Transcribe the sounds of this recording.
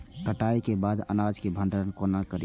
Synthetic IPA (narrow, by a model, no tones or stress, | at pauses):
kəʈaikebaːd̪ə̰nad͡ʒkebʱə̃ɳɖəɾənkonakəɾi